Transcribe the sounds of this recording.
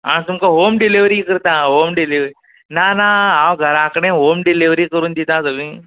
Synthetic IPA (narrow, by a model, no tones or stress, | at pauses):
aɽ̃it̪umkaɦomɖiliʋɾikəɾt̪aɦomɖiliʋɾi | nanaawɡʱəɾãkɽ̃ẽɦomɖiliʋɾiːkəɾuːnd̪it̪ãsəɡĩː